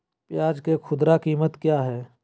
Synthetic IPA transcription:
pjaːd͡ʒkekʰʊd̪ɾakiːmət̪kjaːɦɛː

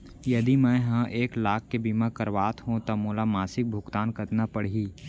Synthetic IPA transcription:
jɐd̪imɛ̃ɦə̃ʔeːklaːk̚ːebiːmakəɾʋaːt̪ɦũt̪ɐmoːlamaːsɪk̚bʱʊkt̪aːnkət̪napəɽ̤iː

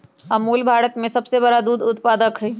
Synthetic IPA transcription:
ɐmuːlbʱaːɾət̪mẽsɐbseβɐɾad̪uːd̪ʊt̪paːd̪əkɦɛ

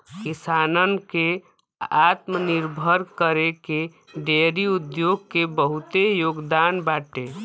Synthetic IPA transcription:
kisaːnənke | at̪məniɾbʱəɾkəɾeke | ɖeɾiud̪joɡ̚kebəɦut̪ejoːɡd̪aːnbaːʈe

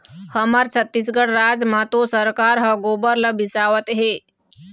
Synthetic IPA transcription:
həməɾt͡ʃʰət̪ːisɡəɽɾad͡ʒmãt̪osəɾkaːɾɦəɡobəɾləbisaʋət̪ɦe

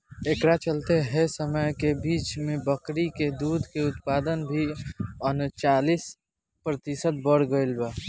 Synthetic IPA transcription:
ekɾat͡ʃəlt̪eɦɛsəməjkebiːt͡ʃmẽbəkɾiked̪uːd̪ʱkeʊt̪paːd̪ənbʱiənt͡ʃaːlis | pɾət̪ɪsət̪̚bəɽɡəɪlba

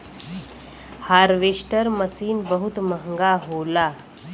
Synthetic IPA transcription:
haɾʋeʂʈəɾməsiːnbəɦut̪məŋɡaɦola

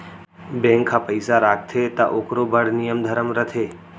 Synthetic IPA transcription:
bẽŋkʰːãpəɪsaɾaːk̚ʰt̪ʰet̪a̰ʔokɾobʱəɽnijəmd̪ʱəɾəmɾət̪ʰeː

